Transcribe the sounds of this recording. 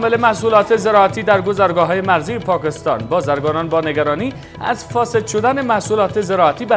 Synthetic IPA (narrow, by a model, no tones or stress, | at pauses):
mele̞mæhsuːlɒːt̪ʰe̞ze̞ɾɒːæt̪ʰiːd̪æɾɡozæɾɡɒːɦɒːjemæɾzijepʰɒːkest̪ɒ̰ːnbɒːzæɾɡɒːnɒːnbɒːne̞ɡæɾɒːniː | æ̰zfɒːse̞d̪ʃod̪ænemæhsuːlɒːt̪ʰe̞ze̞ɾɒːæt̪ʰiːbæ